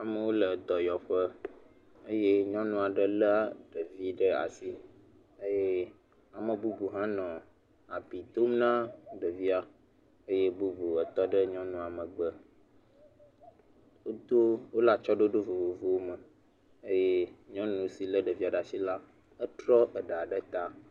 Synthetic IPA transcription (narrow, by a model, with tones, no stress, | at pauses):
a˨mə̃˦wo˦lə˨d̪ɔ˨jɔ˨ɸə˦ | ə˦je˦ɲɔ̃˦nũ˨˦a˨ɖə˦lə˦ɖə˨vi˦ɖə˦a̰˨si˦ | ə˦je˦ | a˨mə̃˨bu˦bu˨ɦã˦nɔ̃˨ | a˨bi˨t̪o˦mnã˦ɖə˨vi˦a˦ | ə˦je˦bu˦bu˨ə˨t̪ɔ˦ɖə˦ɲɔ̃˦nũ˨a˨mə̃˨ɡ͡bə˦ | wo˦d̪o˦wo˦la˨t͡ʃɔ˦ɖo˦ɖo˦vo˨vo˨vo˨wo˦mə˨ | ə˦je˦ɲɔ̃˦nũ˦si˨lə˦ɖə˨vi˦a˨ɖa˨si˦la˦ | ə˦t̪ɾɔ˦ʔə˨ɖə˨a˨ɖə˦t̪a˦